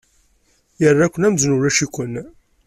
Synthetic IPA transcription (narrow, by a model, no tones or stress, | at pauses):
jərːækʷːənæmznʊɾæʃikʷən